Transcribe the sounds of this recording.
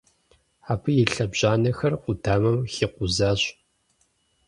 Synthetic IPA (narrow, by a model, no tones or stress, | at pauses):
aːpʰɨjɪɬɐbʑaːnɐxɐrqʷʊdʰaːmɐmxiːqʷʊzaːɕ